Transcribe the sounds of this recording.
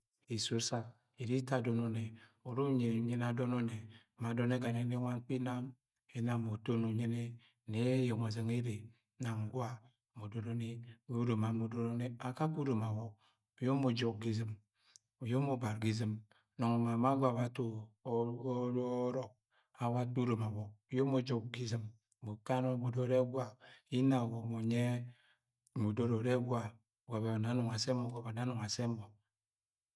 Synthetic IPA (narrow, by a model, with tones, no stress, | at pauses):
i˨so˦sa˦ | i˨ɾi˦ta˦˨do˨no˨ne˨o˨ɾo˦ɲe˨ɲe˦n˦a˨do˦no˦ne˨ | ma˨do˦ne˦ɡa˨ne˨˦ne˦ŋʷa˦n˦k͡pi˦na˦m | e˦na˨mo˨to˦no˨ɲe˦ne˦ | ne˦jo˨ma˨ze˨ŋe˦ɾe˨ | na˨ŋ˨ɡwa˦˨ | mo˨do˨ɾo˦ne˦o˦ɾo˨ma˨mo˨do˦ɾo˦ne˦a˨ka˦ku˦ɾo˨ma˨wo˦ | o˨jo˦mo˨d͡ʒo˨k̚ɡi˦zi˦m | o˨jo˦mo˦ba˨ɾɡi˦˨zi˨m | no˨ŋo˨ma˨ma˦ɡʷa˨ba˨to˨˦ | o˦ɾo˨k̚ | a˨wa˦tu˦ɾo˨ma˨wo˨jo˦mo˦d͡ʒo˦k̚ɡi˦zi˨m˨ | mo˨ka˦no˦mo˨do˦ɾe˦ɡwa˦i˦na˨wo˨mo˨ɲe˦˨ | mu˨do˦ɾo˨ɾe˦ɡʷwa˦˨ | ɡʷa˨be˨a˨na˨˦nu˨ŋa˨se˦mo˨ɡa˨ba˨na˦nu˨ŋa˨se˦mo˨